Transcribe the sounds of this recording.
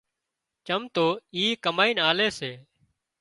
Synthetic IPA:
t͡ʃəmt̪oːiːkəmaːiːnaːleːseː

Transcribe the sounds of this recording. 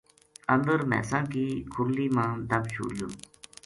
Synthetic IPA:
ʔand̪ərmɛ̰saŋkikʰuɹliːmad̪ap̚ɕṵju

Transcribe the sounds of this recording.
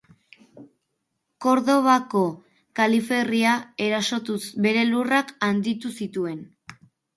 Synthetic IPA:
ko̞ɾðo̞βako̞ | kalife̞riae̞ɾaso̞t̪usbe̞ɾe̞lurakand̪it̪usit̪ue̞n

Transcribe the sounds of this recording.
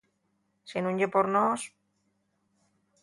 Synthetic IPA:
sinũɲɟepoɾnos

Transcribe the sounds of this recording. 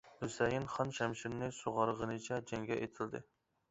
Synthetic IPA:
husɛjɪnχɑnʃɛmʃiɾnɨsoʁɑɾʁənɨt͡ʃʰɛd͡ʒɛŋɡʲɛʔet̪ʰɪld̪ɨ

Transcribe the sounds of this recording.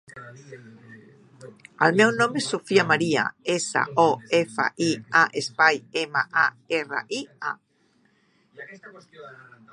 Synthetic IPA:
a̰lmewnõmesofiamaɾia̰esa̰oefa̰ʔiaʔespajemaʔa | era̰ʔia̰

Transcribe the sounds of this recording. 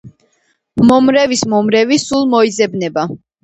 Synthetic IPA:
mɔmɾɛvismɔmɾɛvisulˠmɔizɛbnɛba

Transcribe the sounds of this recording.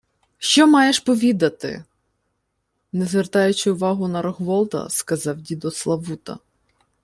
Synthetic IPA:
ʃt͡ʃɔmɑjeʃpɔʋʲid̪ɐt̪ɪ̰ | nɛzʋɛrt̪ɑjʊt͡ʃɪʊʋɑɦʊnɐɾɔɦʋɔlˠt̪ɐ̰skɐzɑwdʲid̪ɔslˠɐʋut̪ɐ̰

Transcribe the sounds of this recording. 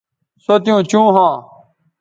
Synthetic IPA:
sot̪jũːt͡ɕũːɦãː

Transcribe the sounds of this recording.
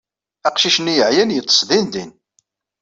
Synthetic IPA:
æqʃiʃnijəʕjænjət͡s̪ˤːə̥sðind̪in

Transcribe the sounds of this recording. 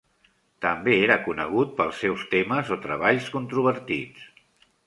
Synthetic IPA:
t̪əmbeeɾəkunə̰ɣ̞ut̪̚pəlˠsɛwst̪eməzot̪ɾəβ̞aʎskunt̪ɾuβəɾt̪it͡s

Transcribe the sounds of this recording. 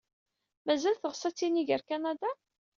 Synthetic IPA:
mæzælθəʁsæt͡sːiniʝəɾkanad̪a

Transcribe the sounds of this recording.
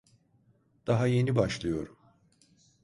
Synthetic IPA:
d̪̥aɦaje̞nibaʃlˠɯjo̞̰ɾum

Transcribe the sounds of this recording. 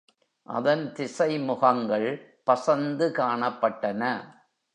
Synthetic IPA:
ʔɐ̰ðɐnt̪ɪsɐɪmʊɣɐŋɡɐɭpɐsɐnd̪ɯkaːɳɐpːɐʈːɐnɐ

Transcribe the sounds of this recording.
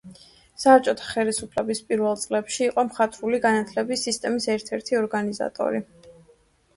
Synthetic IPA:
saːɾt͡ʃʼɔt̪ʰḁχɛlisupʰlɛbispʼiɾvɛlˠt̪sʼlɛpʃiːqʼɔmχat̪ʼɾuliɡanat̪ʰlɛbisist̪ʼɛmisɛɾt̪ʰɛɾt̪ʰiɔɾɡaniza̰t̪ʼɔ̰ɾi

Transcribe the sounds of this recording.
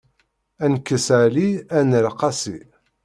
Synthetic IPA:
ænkːəsʕliænəɾqɑsi

